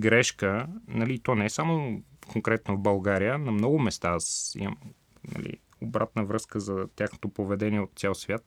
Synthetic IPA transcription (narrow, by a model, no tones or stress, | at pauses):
ɡɾɛʃkənɐlit̪ɔnɛɛsamokoŋkɾɛt̪novbɐlˠɡaɾijənɐmnɔɡʊmɛst̪aasḭmə̰m | nɐ̰lḭ | obɾat̪nəvɾɤskəzɐt̪ʲjaxno̥t̪opovɛd̪ɛniɛot̪̚t̪sʲalˠsvʲjat̪̚